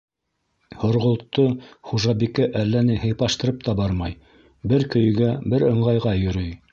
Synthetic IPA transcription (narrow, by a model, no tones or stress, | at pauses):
hŏɾʁŏlˠt̪ːoχuʒɑbikæʔælːænɘɦɘ̆jpɑʃt̪ɤ̆ɾɤp̚t̪ɑbɑɾmɑj | bɘɾkɵ̆jɡæbɘɾɤ̆ɴʁɑjʁɑjɵ̆ɾɵj